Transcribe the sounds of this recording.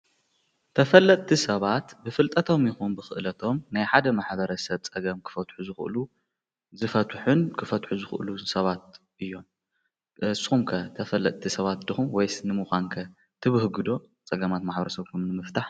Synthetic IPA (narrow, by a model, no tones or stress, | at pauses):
t̪ʰɐfɐlːɐt̪ʼt̪ʰisɐβat̪bɨfɨlt̪ʼɐt̪ʰo̞mjixunbɨxɨ̰ʔlɐt̪ʰo̞mnajħad̪ɐmaħbɐɾɐsɐβt͡sʼɐɡɐmkʰɨ̥fɐt̪ħuzɨxʔɨ̰lu | zɨfɐt̪ʰħunkʰɨfɐt̪ħuzɨxɨ̰ʔlusɐβat̪̚ | ʔɨjːo̞m | sxumkʰɐt̪ʰɐfɐlːɐt̪̚ʼt̪ʰisɐβat̪̚d̪ɨxumwɔjsnɨmuxʷankʰɐ | t̪ʰɨβɨhɡɨd̪o̞ | t͡sʼɐɡɐmat̪maħbɐɾɐsɐβkʰunnɨmɨft̪ʰaħ